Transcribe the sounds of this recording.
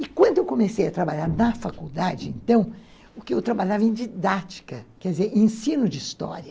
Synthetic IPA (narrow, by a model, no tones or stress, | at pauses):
ɪkwɐ̃d̪ʊewkõmesejɐt̪ɾabaʎaɾnɐfakud̪ad͡ʒɪḛ̃nt̪ɐ̃w̃ | ʊkɪewt̪ɾabaʎavɐẽd͡ʒid̪at͡ʃi̥kɐkɛd͡ʒɪzeɾẽsĩnʊd͡ʒɪist̪ɔ̰ɾɐ